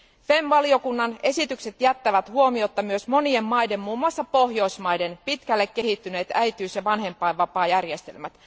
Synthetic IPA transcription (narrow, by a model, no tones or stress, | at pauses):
femʋɑlio̞kunːɑne̞sit̪ykset̪jæt̪ːæʋæt̪huo̞mio̞t̪ːɑmyøsmo̞nie̞mːɑjde̞mmuːmːuɑsːɑpo̞hjo̞ismɑjde̞npit̪kælːe̞kːe̞hit̪ːyne̞ːt̪æjt̪yːsjɑʋɑnɦe̞mpːˑɑjʋɑpɑːjærjest̪elmæt̪